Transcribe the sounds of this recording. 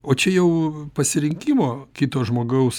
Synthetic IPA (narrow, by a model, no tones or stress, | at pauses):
oːt͡ʃʲɛjɛʊpɐsʲɪɾʲɪŋʲkʲiːmoːkʲiːt̪oːʒmoːɡɐʊs